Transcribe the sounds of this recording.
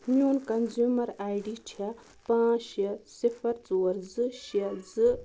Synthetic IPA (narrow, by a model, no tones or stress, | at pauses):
mjuːnkɐnzuːmɐɾaːjɖit͡ʃʰɐ | pãːʃjɐsifɐɾt͡soːɾzɨʃɐd͡zɨ